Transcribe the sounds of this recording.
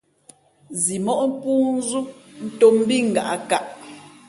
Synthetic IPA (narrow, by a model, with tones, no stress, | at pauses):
zi˨mɔ˦ʔm̩˦pu˦n˦zu˦n̩˦to˦m˦bi˦˨ŋ̩˨ɡa˨ʔa˦ka˦˨ʔ